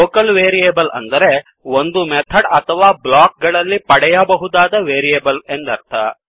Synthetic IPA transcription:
oːkɐlʋeːɾieːbɐlɐ̰nd̪ɐɾe̞ | ond̪umɛt̪ʰɐɖɐt̪ʰɐʋaːblaːk̚ɡɐɭɐlːipɐɽɛjɐbɐɦud̪aːd̪ɐʋeːɾieːbɐle̞nd̪ɐɾt̪ʰɐ̰

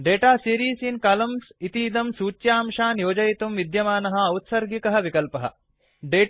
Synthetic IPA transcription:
ɖeːʈaːsiːɾiːsinkaːlɐmsit̪iːd̪ɐmsuːt͡ʃjaːmʂaːnjoːd͡ʒɐjit̪umʋid̪jɐmaːnɐɦɐɐwt̪sɐɾɡikɐɦɐʋikɐlpɐɦɐ̰ | ɖeː

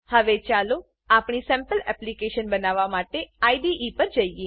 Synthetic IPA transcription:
həʋet͡ʃalo | apɳisɛ̃mpəlɛplikeʃənbənaʋamaʈeaiɖiʔipəɾd͡ʒəie

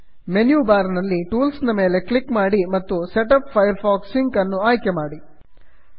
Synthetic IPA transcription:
menjuːbaːɾɐnɐlːiʈuːlsnɐme̞ːle̞klikmaːɽimɐt̪ːuseʈɐppʰːɐjɐɾpʰaːksiŋkɐnːuaːjkemaːɽi

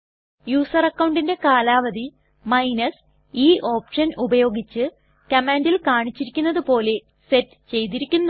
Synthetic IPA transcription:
juːsɐrɐkːɐwɳɖinde̞kaːlaːʋɐði | mɐjnɐs | iːʔo̞ːpʂɐnubɐjo̞ːɡit͡ɕːɨ | kɐmaːndilkaːɳit͡ɕːiɾikʲːunːɐðɨpo̞ːle̞ | se̞tː | t͡ɕe̞jt̪iɾikʲːunːu

